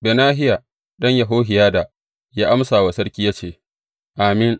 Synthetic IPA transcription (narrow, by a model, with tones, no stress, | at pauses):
beː˨naː˦ɦɪ˦ja˨ | ɗɐ˦ɲja˨ɦoː˦ɦɪ˨jaː˦da˨ | jaː˦ʔa˦msaː˨wa˨sɐ˦ɽkʲiː˦jaː˦t͡ʃeː˦˨ | ʔaː˨mɪ˦n